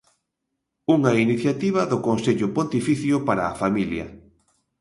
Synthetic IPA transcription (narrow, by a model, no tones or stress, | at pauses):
uŋɐiniθjat̪iβ̞ɐðʊkonseʎʊpont̪ifiθjʊpaɾaːfamiljɐ̰